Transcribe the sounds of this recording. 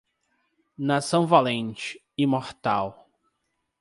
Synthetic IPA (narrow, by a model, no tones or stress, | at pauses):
nasɐ̃w̃valẽnt͡ʃɪ̥ | ɪmoɾt̪a̰w